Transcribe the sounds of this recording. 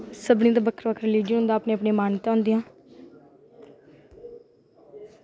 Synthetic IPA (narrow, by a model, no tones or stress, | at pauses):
səbnĩːd̪abəkʰəɾʋəkʰɾɪliːd͡ʒənɦʊ̃nd̪aːpneːəpɳẽːmaːnt̪ãːʊ̃ːnd̪ijãː